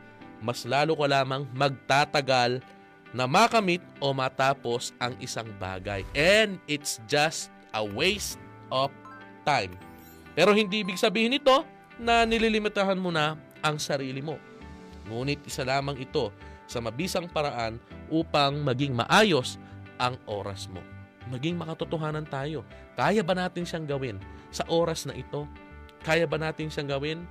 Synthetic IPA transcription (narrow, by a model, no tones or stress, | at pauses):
mɐslaːlokɐlaːmɐŋmɐɡ̚t̪at̪ɐɡal | nɐmakɐmit̪̚ʔo̞mɐt̪aːpo̞sɐŋʔɪsaŋba̰ːɡɐ̰jʔɛnd̪ɪt̪sd͡ʒɐst̪̚ʔɐwejst̪̚ | ʔoft̪ajm | pɛːɾo̞hɪnd̪iʔɪbɪɡsɐbiːhɪnɪt̪o̞ | nɐnɪlilɪmɪt̪ɐɦɐnmʊnɐ | ʔɐŋsɐɾiːlɪmo̞ | ŋuːnɪt̪̚ʔɪsɐlaːmɐŋɪt̪o̞sɐmɐbiːsɐŋpɐɾɐʔanʔuːpɐŋmɐɡɪŋmɐ̰ʔaːjo̞sʔɐŋʔo̞̰ːɾɐ̰smo̞̰mɐɡiŋmɐkɐt̪ʊt̪oɦaːnɐnt̪aːjo̞kaːjɐbɐnaːt̪ɪnʃaŋɡɐwɪnsɐʔo̞ːɾɐsnɐʔɪt̪o̞kaːjɐbɐnaːt̪ɪnʃaŋɡɐwɪn